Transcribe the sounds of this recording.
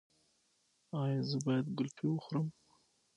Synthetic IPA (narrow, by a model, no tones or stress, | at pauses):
ɑjɑzəbɑjad̪ɡʊlpʰiwəxɾəm